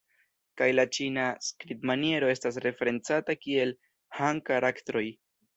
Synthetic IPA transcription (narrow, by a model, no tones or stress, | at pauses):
kajlat͡ʃinaskɾitmanje̞ɾo̞e̞stas̬ɾe̞fe̞ɾe̞nt͡satakie̞l | haŋkaɾaktɾo̞j